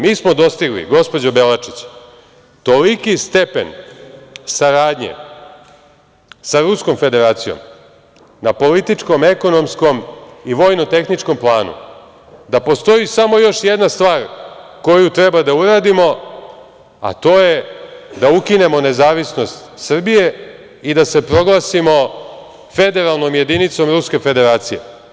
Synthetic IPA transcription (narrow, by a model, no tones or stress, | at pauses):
miːsmo̞d̪o̞st̪iɡlḭɡo̞spo̞d͡ʑobe̞lat͡ʂit͡ɕ | t̪o̞likist̪epe̞̰n | saɾaːd̪ɲḛ | saɾusko̞mfe̞d̪e̞ɾaːt̪sijo̞̰m | napo̞lit̪it͡ʂko̞me̞ko̞no̞msko̞miʋo̞jnot̪e̞xnit͡ʂko̞mplˠaːnṵ | d̪apo̞st̪o̞jisamo̞jo̞ʃjed̪nast̪ʋaːɾko̞jut̪ɾebad̪auɾaːd̪imo̞ | a̰t̪o̞ːje̞d̪aukine̞mo̞ne̞zaːʋisno̞st̪sr̩bije̞ | id̪ase̞pɾo̞ɡlˠasimo̞ | fe̞d̪e̞ɾalˠno̞mje̞d̪init̪so̞mɾuske̞fe̞d̪e̞ɾaːt̪sije̞̰